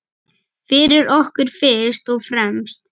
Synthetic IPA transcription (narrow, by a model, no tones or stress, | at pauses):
fɪɾɪɾɔhkʏɾ̥fɪst̪ɔɣfɾɛmst̪